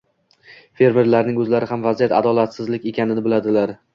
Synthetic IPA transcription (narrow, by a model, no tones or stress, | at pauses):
fe̞ɾme̞ɾlaɾnɪŋɵzlaɾɪhamvazijat̪a̰d̪ɒlˠat̪sɪzlɪkʲe̞kʲʰanɪnɪbɪlad̪ɪlaɾ